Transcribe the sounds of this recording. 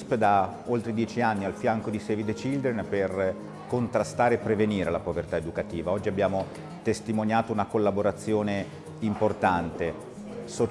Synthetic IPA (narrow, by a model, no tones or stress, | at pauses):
pd̪a | olt̪ɾed̪jɛːt͡ʃianːialfjaŋkod̪isevid̪et͡ʃild̪enper | kont̪ɾast̪aːɾeːpːɾeveniːɾelapovert̪aed̪ukat̪iːvaɔd͡ʒːiabːjaːmo | t̪est̪imonjaːt̪ounakolːaboɾat̪sːjoːne | import̪ant̪e | so